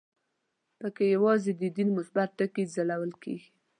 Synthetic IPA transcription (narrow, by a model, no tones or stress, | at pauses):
pəkejawɑzed̪əd̪inmʊsbat̪ːəkizalawəlkḛɡi